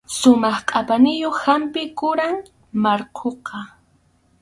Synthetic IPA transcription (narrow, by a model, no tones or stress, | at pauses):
sʊmɑχqʼapanɪjoχhampɪkʊɾaŋ | maɾqʰoqɑ